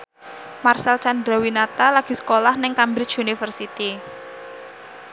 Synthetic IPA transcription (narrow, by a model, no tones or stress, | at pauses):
marsɛlt͡ʃand̪ɾawinat̪alaɡ̥i̤sə̥kolahnɪŋkambɾɪt͡ʃunifərsit̪i